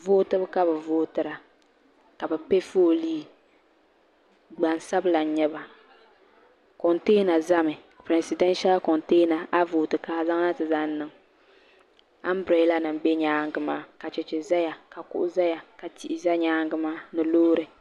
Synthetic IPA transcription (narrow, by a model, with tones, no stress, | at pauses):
voː˦tɨ˦bɨ˦ka˦bɨ˨voː˦tɨ˨ɾa˨ | ka˨bɨ˨pe˦fo˦˨liː˦ | ɡ͡ba˨n˨sa˦bɨ˦la˨n˨ɲɛ˦ba˨ | kɔ˨nteː˦na˨za˦mɨ˨ | pɾɛ˨si˨dɛ˦nʃa˦lkɔ˨nteː˦na˨ʔa˦voː˨tɨ˨kaː˦za˦ŋ˦na˦tɨ˨za˦n˦nɨ˨ŋ | a˦m˦bɾe˨˦la˦nɨ˨m˨bɛ˦ɲaː˦ŋ˦ɡɨ˦maː˦ka˨t͡ʃɛ˨t͡ʃɛ˨za˦ja˨ka˨kʊ̰˦ʔʊ˦za˦ja˨ka˨ti˨ʔɪ˨za˦ɲaː˦ŋ˦ɡɨ˦maː˦nɨ˨loː˦ɾɨ˨